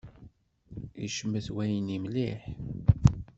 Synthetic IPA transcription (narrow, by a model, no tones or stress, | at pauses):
ḭʃəmːəθwæjnimliħ